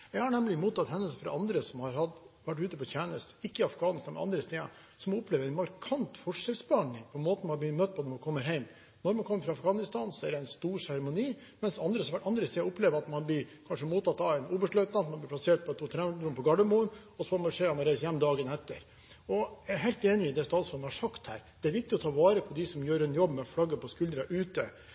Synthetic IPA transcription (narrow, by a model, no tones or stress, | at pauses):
jɛɡhɑɳɛmlɪmuːt̪ɑt̪hɛnːəsfɾɑ̰ʔɑnd̪ɾəsɔmhɑɾhɑd̪ʋæʈ̬ːʉːt̪əpɔt̪æːnəst̪ɪkːəɪɑfɡɑːnɪst̪ɑnmɛ̰ɑ̰nd̪ɾəst̪eːɑ̰ | sɔmɔpleːʋəɾɛɪnmɑɾkʰɑnt̪fɔʂɛlsbɑɳɪŋpʰɔmoːt̪n̩hɑb̪ɪmœt̪̚ːpʰɔnɔɾmɑnkʰɔmːəɾɦæɪm | nɔɾmɑnkʰɔmːəɾfɾɑɑfɡɑːnɪst̪ɑːnsɔæɖɛæɪnst̪uːɾsæɾɛmʊniː | mɛnsɑnd̪ɾəsʋæʔɑnd̪ɾəseːɔpleːʋəɾɑt̪mɑnblɪkʰɑnʂəmuːt̪ːɑt̪ːɑʋæɪnuːbəʂɭœʏt̪nɑt̪mɑnblɪpʰlɑseːʈ̚pɔt̪ʰuːt̪ʰɾɛd̪ɾʊmpɔɡɑɖəmuːən | ɔsɔfɔmɑʂeːɑmɑnɾæɪsjɛmːd̪ɑːɡənɛt̪ːəɾ | ɔæɦæɪlt̪eːnɪɪd̪ɛst̪ɑːt̪sɔnhɑʂɑkt̪hæ̰ːɾd̪̥ɛæɾʋɪk̚t̪ɪɔt̪ʰɑːʋɑːɾəpʰɔd̪ɪsɔmjøːɾɛnjɔbmɛflɑɡːəpɔskʉld̪ɾɑʔʉːt̪ə